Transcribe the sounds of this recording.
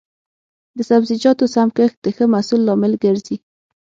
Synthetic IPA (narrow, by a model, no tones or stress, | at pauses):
d̪əsabzɪd͡ʒɑt̪osamkəxd̪̥əxəmasulːɑmɪlɡəɾzi